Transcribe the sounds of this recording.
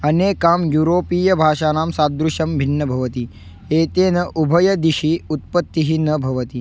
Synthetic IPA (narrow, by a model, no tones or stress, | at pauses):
ɐneːkaːmjuːɾoːpiːjɐbʱaːʃaːnaːmsaːd̪ɾuʃɐmbʱinːɐbʱɐʋɐt̪i | eːt̪eːnɐʔubʱɐjɐd̪iʃiut̪̚pɐt̪ːiɦinɐbʱɐʋɐt̪i